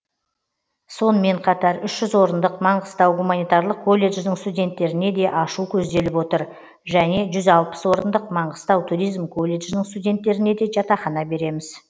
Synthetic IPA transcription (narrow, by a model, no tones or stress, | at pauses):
so̞nəme̞ɴqʰɑt̪ɑɾʏʃʒʏzwo̞ɾənd̪əqmɑɴʁəst̪ɑwɡumanijt̪ɑɾlˠəq̚kʰːo̞lʲːe̞ʒnɪŋst̪udʲe̞nt̪ːe̞ɾɪne̞d̪e̞ʔɑʃukʲʰɵzd̪e̞lɪpwo̞t̪əɾ | ʒæne̞ʒʏzɑlˠpə̥swo̞ɾənd̪əq̚mɑɴʁəst̪ɑwt̪ʰuɾijzmkʰo̞lʲːe̞ʒnɪɴst̪udʲe̞nt̪ːe̞ɾɪne̞d̪e̞ʒɑt̪ɑχɑnɑbe̞ɾe̞mɪz̥